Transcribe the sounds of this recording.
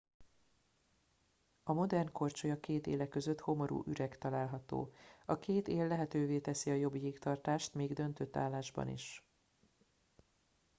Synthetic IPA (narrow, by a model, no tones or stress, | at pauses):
ɒmo̞d̪ɛrnko̞rt͡ʃojɒkeːt̪ḛːlɛkːøzøt̪ho̞mo̞ɾṵːʔyɾɛkt̪ɒlaːlɦɒt̪o̰ːɒkʰeːt̪eːlːɛɦɛt̪øːveːt̪ɛsiɒjo̞bijiːkt̪ɒrt̪aːʃt̪meːɡd̪ø̞nt̪øt̪ːaːlːaːʒbɒ̰nḭʃ